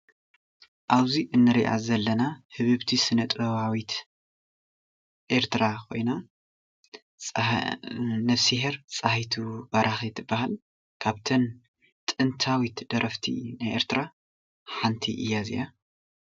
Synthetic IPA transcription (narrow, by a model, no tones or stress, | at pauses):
ʔaβziʔɨnːɨɾiʔa̰zɐlːɐnahɨβɨβt̪ʰisɨnɐt̪ʼɾɐβawit̪ | ʔeɾt̪ʰɨɾakʰo̞̰jna | nɐfsiɦeɾt͡sʼahijt̪ʰubɐɾʔaxit̪ʰɨbːaɦal | kʰaβt̪ʰɐn | t̪ʼɨnt̪ʰawit̪d̪̥ɐɾʔɐft̪ʰḭnajʔḛɾt̪ʰɾa | ħant̪ʰḭʔɨjːazḭja